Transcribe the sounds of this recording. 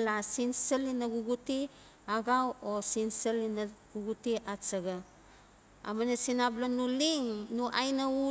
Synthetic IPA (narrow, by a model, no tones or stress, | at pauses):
lasinsəlinaɡuɡuti | aɡawosinsəlinaɡuɡutiʔat͡ʃaɡa | a̰manesinablonuliŋnuʔajnau